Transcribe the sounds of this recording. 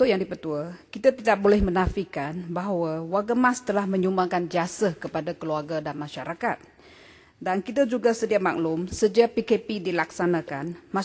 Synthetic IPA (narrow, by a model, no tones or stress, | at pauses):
t̪ʊʔjaŋdipət̪uakit̪at̪idaʔ̚bolɛhmənafikanbaɦwawarɡamast̪əlahmə̃ɲumbaŋkand͡ʒiasakəpadakəluarɡadanmãʃaɾaka̰t̪̚ | dankit̪ad͡ʒuɡasədiama̰k̚lʊmsəd͡ʒiapikepidilaksanakanma